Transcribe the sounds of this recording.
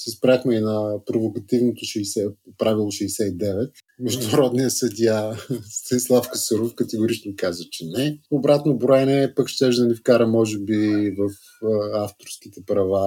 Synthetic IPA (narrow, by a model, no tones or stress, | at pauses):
sɛspɾʲaxmɛinɐpɾovokɐt̪ivnot̪oʃɛːsɛpɾavilˠoʃɛːsɛid̪ɛvɛt̪ | mɛʒd̪ʊnɐɾɔd̪nijəsɐd̪ʲjast̪ɐnislˠafkɐsəɾofkɐt̪ɛɡʊɾit͡ʃnoikazət͡ʃɛnɛobɾat̪nobɾɔɛnɛpɐkʃt̪ɛʒd̪ɐnifkaɾəmɔʒɛbivəf | aft̪oɾskʲit̪ɛpɾɐva